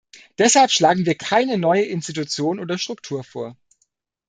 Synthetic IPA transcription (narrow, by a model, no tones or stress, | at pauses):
d̥ɛshalpʃlaːɡŋ̩viːɐkʰaɪnənɔʏəʔɪnstitut͡sjoːnʔoːdɐʃtʁ̥ʊktʰuːɐfoːɐ